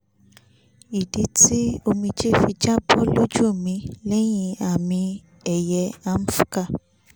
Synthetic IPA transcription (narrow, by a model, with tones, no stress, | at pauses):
i˨de˨˦ti˦o˧mĩ˧d͡ʒe˦˨fi˧d͡ʒa˦bɔ˦lo˦d͡ʒu˦o˦˨mĩ˧lɛ˦j̃ĩ˦˧a˦˨mĩ˧ | ɛ˦˨jɛ˧a˦m̩˦fu̥˦ka˦˨